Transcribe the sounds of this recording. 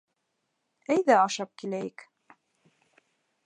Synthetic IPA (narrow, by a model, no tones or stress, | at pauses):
æjðæɑʃɑp̚kilæjək